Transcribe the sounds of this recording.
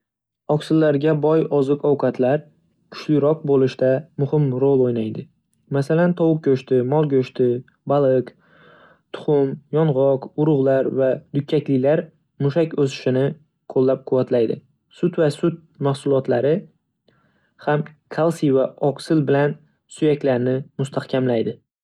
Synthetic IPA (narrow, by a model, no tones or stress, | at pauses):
ɒksɪlːaɾɡʲabɒjɒzɨqɒwqʰɑt̪ʰlaɾ | kʲʰʊ̥t͡ʃlɪɾɒq̚bolɪʃt̪amʊhɪmɾolˠojnajd̪ɪ | masalant̪ʰɒwɨk̚kʲʰɵʃt̪ɪmɒlˠɡʲɵʃt̪ɪ | balˠɪk | t̪ʰʊ̥χʊmjɒnʁɒqʊɾʊʁlˠaɾvad̪ʊkʲʰːakʲlɪlaɾ | mʊʃakʲɵsɪ̥ʃɪnɪ | qʰolːap̚qʰʊvat̪lajd̪ɪ̰ | sʊt̪vasʊt̪̚mahsʊlˠɒt̪laɾɪ | hamkʰalˠsivaɒqsɪlbɪlan | sʊjakʲlaɾnɪmʊst̪ʰahkʲʰamlajd̪ɪ